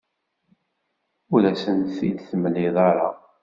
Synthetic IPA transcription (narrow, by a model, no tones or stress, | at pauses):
uɾæsənθid̪θməlːɪðˤɑɾˤɑ̰